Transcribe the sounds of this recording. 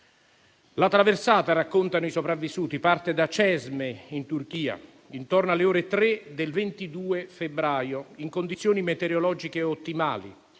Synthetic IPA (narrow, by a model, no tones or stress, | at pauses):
lat̪ːɾaversaːt̪arakːont̪anoisopɾavːisuːt̪ipart̪ed̪at͡ʃɛzmeint̪urk̟iːa̰ | int̪ornoaleɔːɾet̪ɾed̪elvent̪id̪uːefebɾaːjoiŋkond̪it̪sːjoːnimet̪eɾjolɔːd͡ʒikeot̪ːimaːlḭ